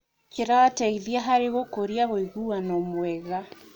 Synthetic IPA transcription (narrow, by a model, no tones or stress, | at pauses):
keɾaːtaiðiaɦaɾeɣokoɾiaɣoiɣuanɔmwɛɣa